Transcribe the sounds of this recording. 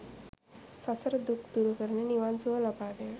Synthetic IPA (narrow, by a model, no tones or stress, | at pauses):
sasəɾd̪ukd̪̥uɾukəɾneniwansualapad̪e